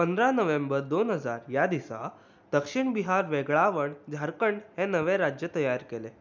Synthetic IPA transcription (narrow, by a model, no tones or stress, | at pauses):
pənd̪ɾanəʋembəɾd̪onɦəd͡zaɾjad̪isa̰ | d̪̥əkʂiɳbiɦaɾʋeɡɭaʋəɳd͡zʱaɾkəɳɖɦẽnəʋeɾad͡ʑjət̪əjaɾkele